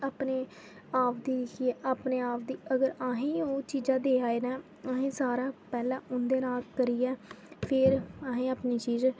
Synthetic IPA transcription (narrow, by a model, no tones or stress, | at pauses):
aːpneː | aːpʰd̪iːɾɪkʰieːʔaːpneːaːpʰd̪iːəɡəɾaːɦẽːoːt͡ʃiːd͡ʒãːd̪eːaːeːnɛ̃ː | aːɦẽːsaːɾaːpɛːlãːʔʊnd̪eːnaːlkəɾiːɛːpʰɪɾaːɦẽːaːpniːt͡ʃiːz